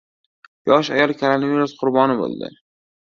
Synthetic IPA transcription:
jɒʃajɒlˠkʲʰolonaviɾusqʰʊɾbɒnɪbo̰lˠd̪ɪ̰

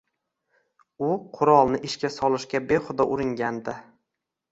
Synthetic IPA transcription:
ʊqʰʊɾɒlˠnɪʔɪʃkʲasɒlˠɪʃkʲabeχʊd̪ɒʔʊɾɪŋɡʲand̪ɪ

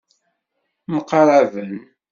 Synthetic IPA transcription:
məqːɾˤævən

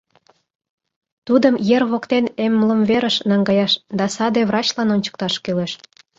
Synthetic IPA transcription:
t̪ud̪əmjerβokt̪enemləmβeɾəʃnɑŋɡɑjɑʃd̪ɑsɑd̪eβrɑt͡ɕlɑnonʲt͡ɕə̥k̚t̪ɑʃkeleʃ

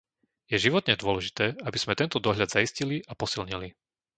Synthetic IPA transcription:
jɛʒiʋɔt̪ɲɛd̪ʊɔlɛʒit̪ɛːabiz̥mɛt̪ɛnt̪ɔd̪ɔɦʎad̪zaisciliʔapɔsilɲili

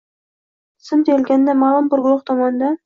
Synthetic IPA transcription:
sɪmt̪ʰejlɡʲand̪amaːlˠʊmpʊɾɡʊɾɒχt̪ʰɒmɒnɪd̪a

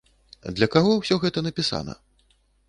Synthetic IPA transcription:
d̪lʲɐkaɣɔwsʲɔɣɛt̪ɐnɐpʲisa̰nɐ̰

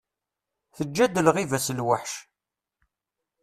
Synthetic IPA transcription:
θəd͡ʒːæd̪əlʁivæsəlwaħʃ

